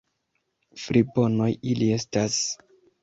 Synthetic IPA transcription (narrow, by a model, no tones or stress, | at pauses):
fɾibo̞no̞jilie̞stas